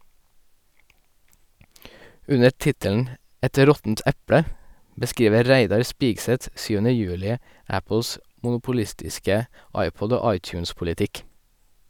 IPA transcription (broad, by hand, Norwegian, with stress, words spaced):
ˈʉnə ˈtɪtəln̩ ˈɛt ˈɾɔtn̩t ˈɛpɽə bəˈskɾiːʋə ˈɾæɪdɑɾ ˈspiːɡsɛt ˈsyːʋənə ˈjʉːlɪ ˈæpl̩s mʊnʊpʊˈlɪstɪskə ˈɑɪˌpɔd ˈoː ˈɑɪˌtjʉːnspʊlɪˌtɪk